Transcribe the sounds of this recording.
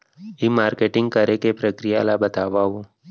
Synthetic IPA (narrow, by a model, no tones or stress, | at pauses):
imaːɾkeʈɪ̃ŋɡ̚kəɾekepɾəkɾijalabət̪aːʋaɦu